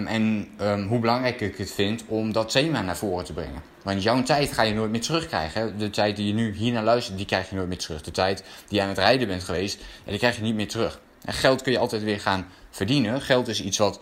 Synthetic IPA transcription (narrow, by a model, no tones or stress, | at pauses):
ɛnɦubəlɑŋrɛjkɪkətfɪntɔmdɔtejmaːnaːɹv̥oːrətəbrɛ̰ŋən | ʋɑntjɔwtɛjtχaːjənoːjt̚mɪːɹtərɵχkrɛ̰jχəɛdətɛjt̚dijənyɦiːɹnaːlœɥstət̚dikrɛjχjənoːjt̚mɪːɹtərɵχdətɛjtd̥ijəaːnətrɛjdəbɛntχəʋejstja̰dikrɛjχjənit̚mɪːɹtərɵχ | ɛ̰χɛlˠtkɵnjəɑlˠtɛjtʋɪːɹχaːnv̥əɹdinəχɛlˠtɪsitsʋɑt